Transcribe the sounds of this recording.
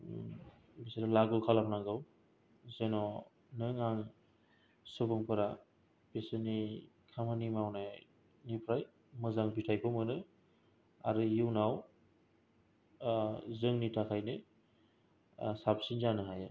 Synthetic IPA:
bisɾalaɡulkʰalapnaŋɡɯw | zenɔ | nɯŋaŋ | sɯbɯŋpʰɯɾa | b̥esɯni | kʰamanimawnaj | nipʰɾaj | mɯzaŋbitʰajkʰɔmɯnɯ | aɾɯjiwnaw | zɯŋnitʰakʰajnɯ | sapsinzanɯɦaja

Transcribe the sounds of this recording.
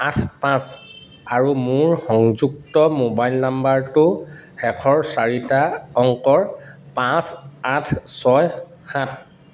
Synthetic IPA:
atʰpãs | aɹumʊɹxɔŋzuk̚tɔmobajlnambaɹtʊɛkʰɔɹsaɹitaɔŋkɔɹpãsatʰsɔj | xat̚ʰ

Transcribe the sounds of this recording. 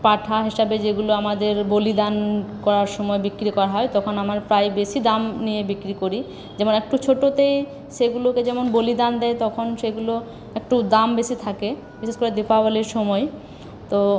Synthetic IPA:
paʈʰaɦiʃabed͡ʑeɡuloamad̪eɾbolid̪ankɔɾaɾʃɔmɔebikːɾikɔɾaɦɔet̪ɔkʰonamaɾpɾajbeʃid̪amnijebikɾikoɾi | d͡ʑɛmonɛk̚ʈut͡ɕʰoʈot̪ej | ʃeɡuloked͡ʑɛmonbolid̪and̪ɛet̪ɔkʰonʃeɡulo | ek̚ʈud̪ambeʃit̪ʰake | biʃeʃkoɾed̪epabaliɾʃɔmɔe | t̪o

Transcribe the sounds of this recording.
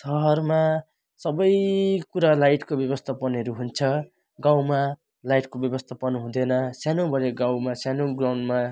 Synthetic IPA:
t̪ʌʌrma | sʌbʌjkuɾalajʈkobjʌbʌst̪ʰapʌnʌɾuɦunt͡sʰʌ | ɡawma | lajʈkobjʌbʌst̪ʰapʌnɦũd̪enʌsjanobʱʌɾeɡawmasjanoɡrawɳnma

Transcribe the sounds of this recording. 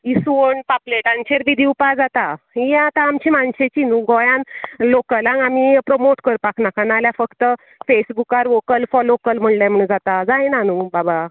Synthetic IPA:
isuoɳpapleʈant͡ɕeɾʋid̪ʱiupad͡zat̪a | ijãt̪aːmt͡ɕiːmanɕet͡ɕinũɡɔjãnlokəlãŋam̤ipɾomoʈkəɾpakʰnakanaljafəkt̪ə | fesbukaɾʋokəlfɔlokəlm̤əɳlãm̤əɽũːnd͡zat̪ad͡zajnanubaba

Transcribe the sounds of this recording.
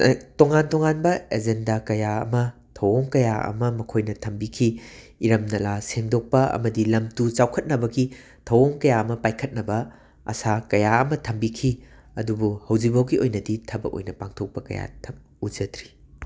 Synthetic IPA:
toŋantoŋanbɐed͡ʒendakɐjaɐ̰mɐ | tʰɐwoŋkɐjaɐ̰mɐmɐkʰojnɐtʰɐmbikʰiː | ɾɐmnɐlaseŋdok̚pɐɐ̰mɐdilɐmtut͡ʃawkʰɐt̚nɐbɐɡi | tʰɐwoŋkɐjaɐmɐpajkʰɐt̚nɐbɐ | ɐ̰sakɐjaɐmɐtʰɐmbikʰiɐdubuhɐwd͡ʒikbawɡiojnɐditʰɐbɐ̰ko̰jnɐpaŋtʰok̚pɐkɐ̰ja̰tʰɐm | ud͡ʒɐtɾi̥

